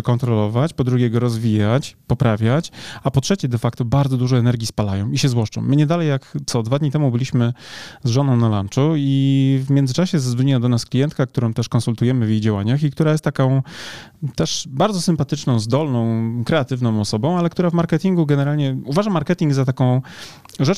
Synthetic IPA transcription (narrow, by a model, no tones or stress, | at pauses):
kɔnt̪ɾɔlɔvat͡ɕpɔd̪ɾuɡʲɛɡɔɾɔzvʲijat͡ɕpɔpɾavʲjat͡ɕapɔtʂɛt͡ɕɛd̪ɛfakt̪ɔbaɾd̪zɔd̪uʐɔɛnɛɾɡʲispalajɔ̰̃w̃iɕɛzwɔʂt͡ʂɔ̰̃w̃ːɘɲɛd̪alɛjːakt̪sɔd̪vad̪ɲit̪ɛmubɘlʲiɕmɘzʐɔnɔ̃w̃nala̰nt͡ʂuivmʲjɛnd̪zɘt͡ʂaɕɛzazvɔɲiwad̪ɔnasklʲijɛnt̪kakt̪uɾɔ̃w̃t̪ɛʂkɔnsult̪ujɛmɘvjejd͡ʑawaɲaxik̚t̪uɾajɛst̪ːakɔ̃w̃ | t̪ɛʂbaɾd̪zɔsɘmpat̪ɘt͡ʂnɔ̃w̃zd̪ɔlnɔ̃w̃kɾɛat̪ɘvn̪ɔ̃w̃ɔsɔbɔ̃w̃alɛk̚t̪uɾavmaɾkɛt̪ʲiŋɡuɡɛnɛɾalɲɛuvaʐamːaɾkɛt̪ʲiŋɡzat̪akɔ̃w̃ | ʐɛ